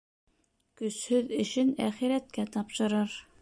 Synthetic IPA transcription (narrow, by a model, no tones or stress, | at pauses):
kɵ̆shɵðɘ̆ʃɘnæχiɾæt̪̚kæt̪ɑpʃɤ̆ɾɤɾ